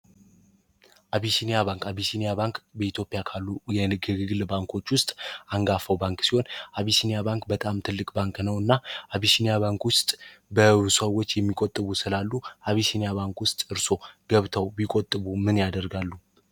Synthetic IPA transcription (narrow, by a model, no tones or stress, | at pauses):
ʔaβisinijaβaŋkaβisinijaβaŋkʼbəit̪jo̞pʼɪjakʰalːujɛɨɡɨɡɨɡɨlbaŋkʰo̞t͡ʃːwʊst̪ʼaŋɡafəwbaŋkʼsiho̞nʔaβisinijabaŋkʼbət̪ʼamt̪ʰɨlːɨkʼbaŋknəwɨnːaʔaβisinijaβaŋkwʊst̪ʼbəβsəwːo̞t͡ʃːjɛmːikʼot̪ʼːɨβusɨlalːuʔaβisinijaβaŋkwʊst̪ʼɨɾso̞ɡ̥əβt̪ʰəwbikʼot̪ʼːɨβumɨnjad̪əɾɡalːu